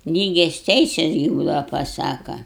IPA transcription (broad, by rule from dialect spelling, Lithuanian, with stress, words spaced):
ˈlʲiːɡʲɛs ˈtʲɛɪsʲɛs ɡʲɪ ˈbuːdɐʋɐ pɐˈsɑːkɐ